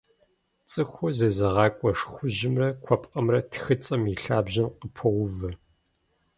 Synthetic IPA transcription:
t͡sʼɨxʷʊzɐzɐʁɑːkʷʼɔʂxʷʊʒɪmrɐkʷʰɔpʼqʼɐmrɐtʰxɨt͡sʼɐmiɬaːbʑɪnqəpʰɐʁʷʊvɐ

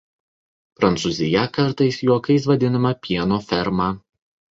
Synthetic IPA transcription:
pɾɐnt̪suzʲɪjɛkɐɾt̪ɐɪsjuɔkɐɪs̬ʋɐd̪ʲɪnɐmɐpʲiɛnoːfʲɛɾmɑː

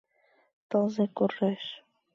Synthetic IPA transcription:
t̪ɤlzekurːeʃ

